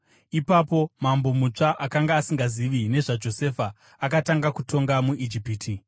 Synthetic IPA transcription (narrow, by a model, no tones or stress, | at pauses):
ipapo̞mambo̞mut͡ʂaʔakaŋɡaːsiŋɡaziʋine̞ʐad͡ʒo̞se̞faː | kataŋɡakutʰo̞ŋɡamuʔid͡ʒipiːtʰi